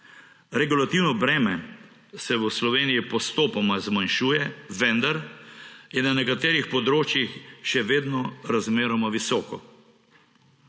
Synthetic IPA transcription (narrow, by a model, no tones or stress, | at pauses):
ɾɛɡulat̪iwnɔbɾɛːmɛ | sɛʋəslɔʋeːnijipɔst̪oːpɔmazmanʃuːjɛʋɛnd̪aɾ | jɛnanɛkat̪eːɾixpɔd̪ɾoːt͡ʃjixʃɛʋeːd̪nɔɾazmeːɾɔmaʋisɔːkɔ